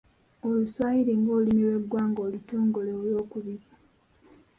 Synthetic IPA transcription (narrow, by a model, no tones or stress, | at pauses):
oluswaːhiɾeŋɡoːlimilwe̞ɡːwaːŋɡoːlitoːŋɡo̞leoljo̞ːkuβiɾi